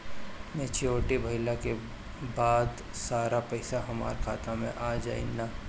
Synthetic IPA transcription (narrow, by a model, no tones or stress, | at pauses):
mɛ̃t͡ʃioːʈebʱɐɪlake | baːd̪ | saːɾapɐɪsaɦɐma̰ːɾkʰaːt̪amẽʔaːd͡ʒa̰ːḭnːaː